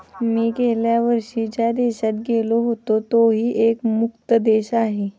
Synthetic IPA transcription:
miːkɛɦljaʋəɾʂid͡ʑad̪eɕat̪̚ɡeloɦot̪ot̪oɦiːʔekmʊk̚t̪əd̪eɕaɦe

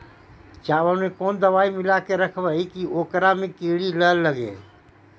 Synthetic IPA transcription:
t͡ʃaːʋəẽkoːnd̪əʋaːimɪlakeɾəkʰbəikioːkɾamẽkeːɽiləɦlːəɡḛ

